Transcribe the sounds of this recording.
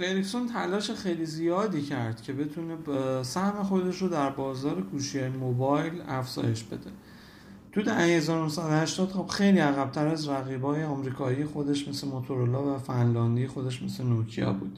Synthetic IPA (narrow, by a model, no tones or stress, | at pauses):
lelicsont̪ʰælɒːʃe̞xejliːzijɒːd̪iːcʰæɾd̪̥cʰe̞be̞t̪ʰune̞sæhme̞xo̞d̪e̞ʃɾod̪æɾbɒːzɒːɾe̞kʰuːʃiemobɒjlæfz̥ɒ̰ːje̞ʃb̥e̞̰d̪e̞ | t̪ʰuːd̪ææhezɒːɾonohsæd̪ohæʃt̪ɒːd̪hɔbxe̞jliːæɣæb̚t̪ʰæɾæzɾæɣiːbɒːjeɒmɾiːkʰɒːijexod̪e̞ʃme̞slemot̪ʰoɾolɒːvæfænlɒːnd̪ijexo̞d̪e̞ʃme̞slenocʰijɒ̰ːbṵːd̪̥